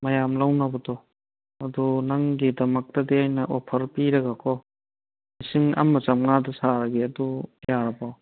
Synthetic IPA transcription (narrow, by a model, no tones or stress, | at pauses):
mɐjamlawnɐbɐdɔ | ɐdunɐŋɡidɐmɐk̚tɐdiajnɐʔopʰɐɾpiɾɐɡakʰɔ | misiŋɐ̰mːɐt͡ʃɐmŋadɐsaɾɐɡiɐdujaɾɐpaw